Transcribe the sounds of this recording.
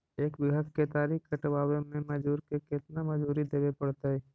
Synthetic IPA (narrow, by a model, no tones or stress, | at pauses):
eːkbɪɡʱət̪ʰket̪aːɾiːkɡəʈʋaːwemẽmɐd͡ʒuːɾkekɪt̪namɐd͡ʒuːɾid̪eːʋepɐɽt̪aɦɛː